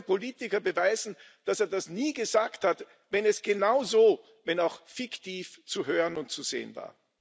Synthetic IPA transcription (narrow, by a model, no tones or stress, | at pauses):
poliːtɪkɐbəvaɪzn̩d̥aseːɐdasniːɡəzaːkthat | vɛnɛsɡ̥ənaʊzoː | vɛnaʊxfɪktiːft͡suɦøːʁənʊnt̚t͡suz̥ḛːənva̰ːɐ